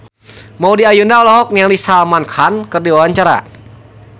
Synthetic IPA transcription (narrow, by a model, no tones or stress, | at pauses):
maudiajunalaɦɔk̚niaŋlisalmankʰankɨrdiwawaɲt͡ʃaɾa̰